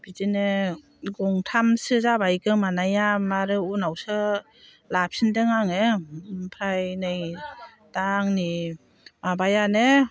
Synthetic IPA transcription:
b̥izine | ɡɔŋtʰamsɯzabajɡɯmanajamaɾɯunawsɯ | lap̚sindɯŋaŋepʰɾajnɯj | daŋni | mabajane

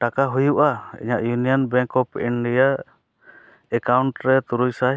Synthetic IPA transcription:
ʈakaɦujuʔaḭɲaʔjunijɔnbɛ̃ŋkɔpinɖija | ɛkawɳʈɾɛt̪uɾujsa

